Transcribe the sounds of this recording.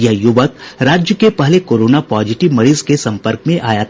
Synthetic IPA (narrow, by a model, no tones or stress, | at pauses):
jɐɦjʊʋəkɾaːd͡ʒjəkepɐɦlekoːɾoːnapɔːd͡ʒɪʈiʋmɐɽizkesɐ̃mpəɾkmẽʔaːja